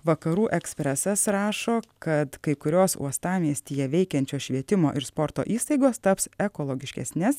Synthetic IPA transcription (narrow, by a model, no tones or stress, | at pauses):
ʋɐkɐɾuːʔɛksʲpʲɾʲɛsɐsɾɑːʃoːkɐt̪kɐɪkʊɾʲoːsṵɔst̪ɑːmʲiɛsʲt̪ʲiːjɛʋʲɛɪkʲɛnʲt͡ʃʲoːʃʲʋʲiɛt̪ʲɪmoːʔɪɾspɔɾt̪o̰ːʔiːst̪ɐɪɡoːst̪ɐpsɛkoːlˠoːɡʲɪʃʲkʲɛ̰sʲnʲɛs